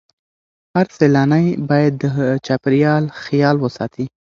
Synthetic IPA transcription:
haɾselɑnajbɑjad̪ːət͡ʃapɾijɑlxjɑlwəsɑ̰t̪ʰi

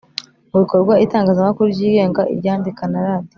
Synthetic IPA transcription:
muβiko̞ɾɡwaitaːŋɡaːzamakuɾuɾɟiːɡe̞ːŋɡaʔḭjaːndikanaɾaːdio

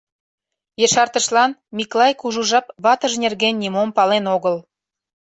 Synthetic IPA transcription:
jəʃɑrt̪əʃlɑnmʲiklɑjkuʒuʒɑpβɑt̪əʒnʲerɣenːʲimompɑlenoɣəl

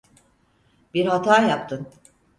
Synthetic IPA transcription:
biɾhat̪ʰaːjap̚t̪ʰɯn

